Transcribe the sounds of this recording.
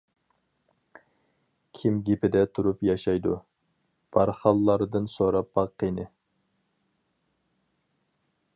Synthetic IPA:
kʲʰimɡʲepʰɪd̪ɛt̪ʰuɾupjɑʃɑjd̪u | b̥ɑɾχɑlˠːɑɾd̪ɨnsoɾɑp̚bɑqʰːenɨ

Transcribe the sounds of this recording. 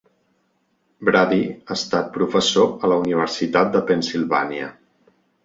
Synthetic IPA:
bɾaðiaəst̪at̪̚pɾufəsoələuniβ̞əɾsit̪at̪̚d̪əpənsilˠβa̰niə̰

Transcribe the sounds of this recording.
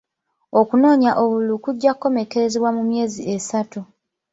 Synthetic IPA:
o̞kuno̞ːɲaʔo̞βulukuɟːakːo̞me̞ke̞ɾe̞zeβwamumje̞ːziʔesatu

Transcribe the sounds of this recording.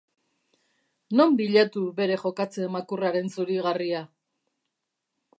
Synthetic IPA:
no̞mbiʎat̪uβe̞ɾe̞χo̞kat͡se̞makuraɾe̞nsuɾiɣaria

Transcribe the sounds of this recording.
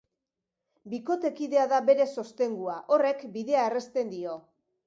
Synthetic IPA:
biko̞t̪e̞kiðe̞aðaβe̞ɾe̞so̞st̪e̞ŋɡuaʔo̞re̞kbiðe̞aere̞st̪e̞nd̪io̞

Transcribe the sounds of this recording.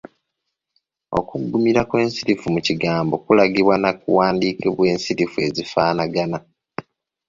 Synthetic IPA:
o̞̰kuɡːumiɾakwe̞ːnsiɾifumuciɡaːmbo̞kulaɡiβwanakuwaːndiːkʰeβwe̞ːnsiɾifue̞zifaːnaɡana

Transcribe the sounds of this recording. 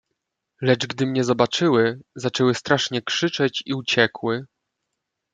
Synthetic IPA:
lɛt͡ʂɡd̪ɘmɲɛzɔbat͡ʂɘwɘzat͡ʂɛwɘst̪ɾaʂɲɛkʂɘt͡ʂɛt͡ɕiut͡ɕɛkwɘ

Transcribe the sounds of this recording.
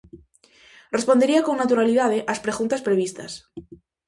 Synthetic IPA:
respo̞nd̪eɾiako̞ŋnat̪uɾaliðað̞eʔaspɾeɣunt̪aspɾe̞β̞ist̪a̰s

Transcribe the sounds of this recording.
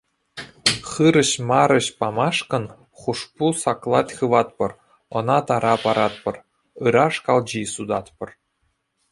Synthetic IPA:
χɯɾɤ̆ɕmɑɾɤ̆ɕpɑmɑʂkɤ̆n | χuʂpusɑklˠɑtʲχɯʋɑt̪pɤ̆r | ɤ̆nɑt̪ɑɾɑpɑɾɑt̪̚pɤ̆r | ɯɾɑʂkɑlˠd͡ʑisud̪ɑt̪pɤ̆r

